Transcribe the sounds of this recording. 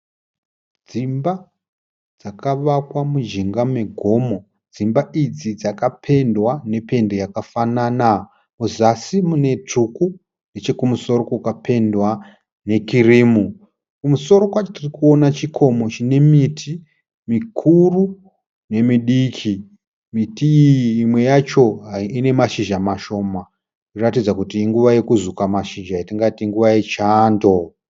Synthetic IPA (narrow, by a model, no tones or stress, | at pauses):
d͡zimba | d͡zakaʋakwamuʒiŋɡame̞ɡʱo̞mo̞ | d͡zimbaʔid͡zid͡zakapʰe̞ndwane̞pe̞nde̞jakafanaːna | muzasimune̞t͡ʂuku | ndet͡ʃe̞kumuso̞ɾokukape̞ndwa | ne̞kiriːmu | kumuso̞ɾo̞kwat͡ʃotirikuo̞nat͡ʃikʰo̞mo̞t͡ʃine̞mitʰi | mikʰuru | ne̞miɗikʰi | mitiːmwe̞jat͡ʃo̞ɦaine̞maʃiʒamaʃo̞ːma | uratid͡zakutiːŋɡuʋaje̞kuzukamaʃiʒaitiŋɡatiŋɡuʋajet͡ʃaːndo̞